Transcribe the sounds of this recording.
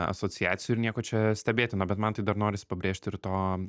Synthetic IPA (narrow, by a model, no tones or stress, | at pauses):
ɐ̰soːt͡ssʲɪjæ̰ːt̪sʲɪjʊɪɾnʲiɛkoːt͡ʃʲɛsʲt̪ʲɛbʲeːt̪ʲɪnʊbʲɛt̪mɐnt̪ɐɪd̪ɐɾnoːɾʲɪsʲɪ̥pɐbʲɾʲeːʃʲt̪ʲɪɾt̪oː